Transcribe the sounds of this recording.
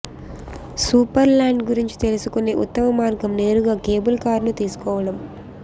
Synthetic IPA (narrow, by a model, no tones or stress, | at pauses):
suːpɐɾlaːɳɖɡuɾiɲt͡ʃi̥t̪e̞lusukuneːʔut̪ːɐmɐmaːɾɡɐmne̞ːɾuɡaːke̞ːbulkaːɾnut̪iːsu̥kɔːʋɐɽɐm